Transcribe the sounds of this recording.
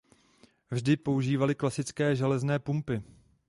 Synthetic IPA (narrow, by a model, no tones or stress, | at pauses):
vʒdɪpo̞uʒiːvalɪklasɪt͡skɛːʒɛlɛznɛːpumpɪ